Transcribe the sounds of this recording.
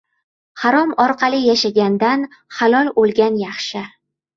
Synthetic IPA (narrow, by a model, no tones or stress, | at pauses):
haɾɒmɒɾqʰɑlˠɪjaʃaɡʲand̪anhalˠɒlˠolˠɡʲanjɑχʃɪ